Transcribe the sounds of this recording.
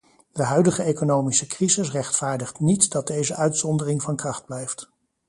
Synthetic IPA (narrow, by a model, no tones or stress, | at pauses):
dəɦœɥdəχəejkonowmisəkrizɪsrɛχtfaːɹdəχtnitdɑd̚dejzəʔœɥtsɔndərɪŋvɑnkrɑχd̚blɛjft